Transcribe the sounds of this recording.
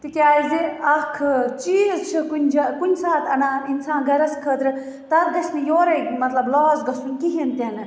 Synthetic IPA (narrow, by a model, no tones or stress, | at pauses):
t̪ikʲaːizeɐkʰɨt͡ʃiːzt͡ʃʰɨkunʲd͡ʒɐkunʲsaːt̪ɐnaːinsãːnɡɐɾɐskʰət̪ɾɨ | t̪ɐt̪̚ɡɐsmijoːɾɐmɐt̪lɐblɔːzɡɐsunkiɦint̪ɐnɨ